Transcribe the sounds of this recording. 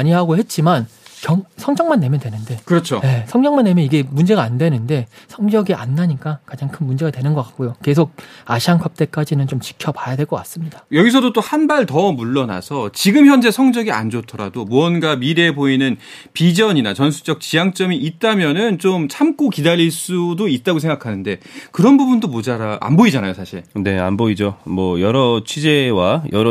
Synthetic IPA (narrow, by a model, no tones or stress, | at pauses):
aɲiɦaɡoɦe̞t̚t͡ɕ͈imankjʌŋsʰʌŋd͡ʑʌŋmanːe̞mjʌndwe̞nɯnde̞kɯɾʌt͡ɕʰoje̞sʰʌŋd͡ʑʌŋmanːe̞mjʌniɡe̞mund͡ʑe̞ɡaːndwe̞nɯnde̞sʰʌŋd͡ʑʌɡiʔa̰nːaɲik͈akad͡ʑaŋkʰɯnmund͡ʑe̞ɡadwe̞nɯnɡʌk͈ḁk̚k͈ojoke̞sʰok̚aɕʰiaŋkʰʌp̚t͈e̞k͈ad͡ʑinɯnt͡ɕomt͡ɕi̥kʰjʌpajadwe̞ɭk͈ʌk͈as͈ɯmɲid̥ajʌɡisʰʌdot͈ohanbaɭtʌmuɭːʌna̰sʰʌt͡ɕiɡɯmçjʌnd͡ʑe̞sʰʌŋd͡ʑʌɡia̰nd͡ʑotʰʌɾa̰domuʌnɡamiɾe̞boinɯn | pid͡ʑʌɲinat͡ɕʌnsʰu̥t͡ɕʌk̚t͡ɕijaŋt͡ɕ͈ʌmiʔit̚t͈amjʌnɯnt͡ɕomt͡ɕʰamk͈okidaɾiɭs͈udoit̚t͈aɡosʰeŋɡakʰanɯnde̞kɯɾʌnbubundomod͡ʑaɾaʔa̰nboid͡ʑanajosʰaɕʰiɭne̞a̰nboid͡ʑomʌjʌɾʌt͡ɕʰid͡ʑe̞wajʌɾ